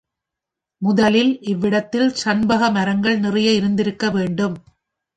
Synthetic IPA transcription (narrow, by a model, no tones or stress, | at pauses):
mʊðɐlɪlʔɪʋːɪɽɐt̪ːɪlsɐnbɐɣɐmɐɾɐŋɡɐɭnɪrɐjɐɪɾɯnd̪ɪɾɯkːɐʋeːɳɖɯm